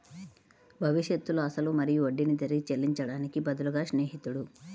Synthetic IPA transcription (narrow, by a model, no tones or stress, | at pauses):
bʱɐʋiʂjɐt̪ːuluɐsɐlumɐɾijuoɖːinid̪ɐɾiɡit͡ʃelːiɲt͡ʃɐɽaːnikibɐd̪ɐluɡaːʃneːɦit̪uɽu